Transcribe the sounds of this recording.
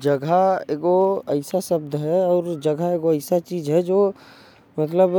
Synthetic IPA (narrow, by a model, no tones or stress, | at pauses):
d͡ʒəɡʱaeːɡoəɪsasəb̚d̪ɦɛɔːɾd͡ʒəɡʱaeːɡoəɪsat͡ʃiːd͡ʒɦɛd͡ʒoː | mət̪ləb